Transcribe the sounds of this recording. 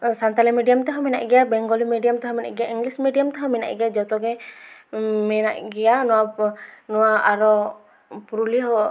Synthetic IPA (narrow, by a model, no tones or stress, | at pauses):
sant̪alɛmɛdiamt̪ɛɦɔminaʔɡiabɛŋɡɔlimɛdiamt̪ɛɦɔmina̰ʔɡiaiŋɡlismɛdiamt̪ɛɦɔmina̰ʔɡiad͡ʒɔt̪ɔɡɛ | mɛna̰ʔɡianuanuaaɾɔ | puɾuliɦɔ